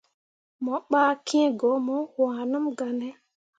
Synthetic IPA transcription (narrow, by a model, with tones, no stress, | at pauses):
mɔ˨˦ɓa˦kʰĩ˦e˦ɡɔ˨˦mɔ˦wãː˨nu˦mɡa˨nɛ˦